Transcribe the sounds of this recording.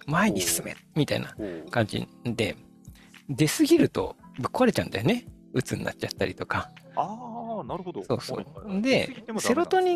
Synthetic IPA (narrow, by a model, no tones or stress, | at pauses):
maiɲʲisɨ̥sɨmḛmʲit̪aḭnakãɲ̟d͡ʑḭd̪e̞̰ | d̪e̞sɨɡʲiɾɯ̟t̪o̞̰bɯ̟kːoaɾe̞t͡ɕaɯ̟nd̪ajo̞ne̞ | ɯ̟t͡sɨnːʔa̰t͡ɕ̚t͡ɕat̪ːaɾʲit̪o̞ka | so̞ːso̰ːd̪e̞se̞ɾo̞t̪o̞ɲ̟i